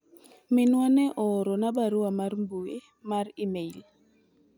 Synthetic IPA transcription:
mɪnwanɛʔɔɾɔnabaɾuamaɾmbue | maɾimeil

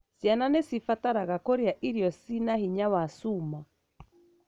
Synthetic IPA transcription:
sjananesifataɾaɣakoɾeaʔiɾiɔsinahiɲawasuma

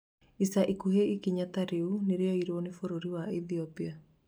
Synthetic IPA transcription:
isaʔikuɦeikiɲataɾeuneɾeɔiɾwɔnefoɾoɾiwaiθiɔpia

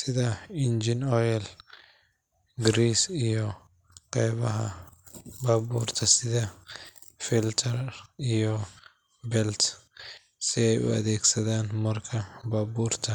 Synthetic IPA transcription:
sɪðɐɪnd͡ʒɪnɔːjɛl | ɡɾiːsijɔ | qɛjβɐɦɐ̰ | baːbuːrt̪ʰɐsɪðɐ | fɪlt̪ʰɐrijɔ | bɛlt̪ | sɪɛjʊ̰ɐ̰ðɛːɡsɐðaːnmɐrkʰɐbaːbuːrt̪ʰɐ

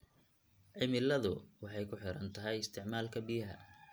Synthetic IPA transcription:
ʕɪmɪlɐðʊwɑħɑjkʰʊħɪɾɐnt̪ʰɐɦɛjɪst̪ʰɪʕmaːlkʰɐbɪjɐɦɐ̰

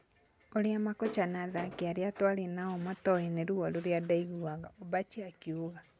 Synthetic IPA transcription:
oɾeamakɔt͡ʃanaðakeaɾeatwalenaɔmatɔineɾuɔloɾjadaiɣuaɣaɔbat͡ʃiakjuɣa

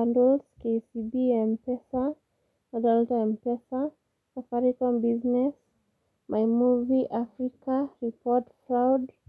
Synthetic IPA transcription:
andɔlskesibiɛmpɛsa | mɔdɛltaɛmpɛsa | safaɾikɔmbiznɛs | mʔajmuviʔafɾikaɾipɔtfɾawd

